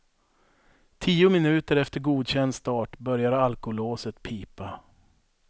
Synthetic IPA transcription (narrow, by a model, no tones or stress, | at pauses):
t̪ʰiːʊmɪnʉ̟ːt̪əɾɛft̪əɾɡuːd̪ɕɛnd̪st̪ɑːʈbœɾjaɾalkʊloːsət̪pʰiːpa